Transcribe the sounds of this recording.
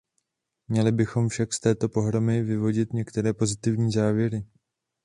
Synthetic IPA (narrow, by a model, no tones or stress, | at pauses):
mɲɛlɪbɪxo̞mfʃakst̪ɛːt̪o̞po̞ɦɾo̞mɪvɪvo̞ɟɪt̪ɲɛkt̪ɛɾɛːpo̞zɪt̪ɪvɲiːzaːvjɛɾɪ